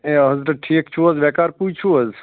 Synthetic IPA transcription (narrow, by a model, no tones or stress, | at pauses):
eɦəzɾəʈʰikt͡ʃʰuəzʋɛkaɾput͡ʃʰuəz